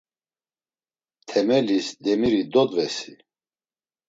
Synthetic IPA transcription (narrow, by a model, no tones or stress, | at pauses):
t̪ʰɛmɛlisd̪ɛmiɾid̪ɔd̪vɛsi